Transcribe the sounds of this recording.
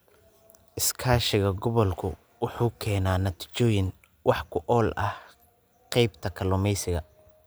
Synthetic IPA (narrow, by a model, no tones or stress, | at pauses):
ʔɪskʰaːʃɪɣɐɡɔβɔlkʰʊ̰ | wʊħuːkʰɛːnaːnɐt̪ʰi̥t͡ʃɔːjɪn | wʔɑħkʰʊʔɔːlʔɐh | qɛjbt̪ʰɐkʰɐlɔmɛjsɪɣɐ